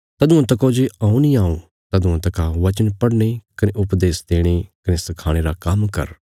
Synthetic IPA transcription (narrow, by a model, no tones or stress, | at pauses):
t̪ɐd̪ʊ̃ãt̪ɐkod͡ʒeãːũnĩaːũ | t̪ɐd̪ʊ̃ãt̪ɐkaʋɐt͡ʃənpɐɽñekɐneʔʊpd̪eːsd̪eːɽ̃ekɐnesɐkʰaːɽ̃eɾakɐmkɐ̰ɾ